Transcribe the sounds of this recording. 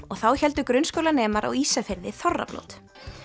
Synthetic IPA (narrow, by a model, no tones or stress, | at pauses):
ɔɣθawçɛlt̪ʏkɾʏnskowlanɛːmaɾa̰ɣiːsafɪɾðɪθɔrːa̰plo̰wt̪